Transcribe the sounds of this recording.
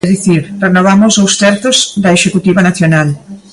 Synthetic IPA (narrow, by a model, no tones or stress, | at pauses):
ðiθiɾrenoβamozowst̪ɛɾt̪ozd̪ɐeʃekut̪iβɐnaθjonal